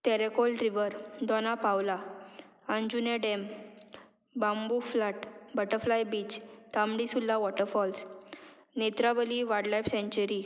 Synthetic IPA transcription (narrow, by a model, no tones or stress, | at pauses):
t̪ɛɾekolɾiʋəɾd̪ɔnapawla | ənd͡ʑuneɖem | bãmbuflaʈbəʈəɾflajbiːt͡ɕt̪amɽisulːaʋɔʈəɾfɔls | net̪ɾaʋəliʋaɽlajfsẽɲt͡ɕəɾi